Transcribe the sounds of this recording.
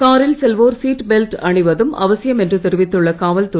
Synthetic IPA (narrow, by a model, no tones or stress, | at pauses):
kaːɾɪlsɛlʋoːɾsiːʈbɛlʈɐɳɪʋɐðɯmɐ̰ʋɐsɪjɐmɛndrɯt̪ɛɾɯʋɪt̪ːɯɭːɐkaːʋɐlt̪ʊ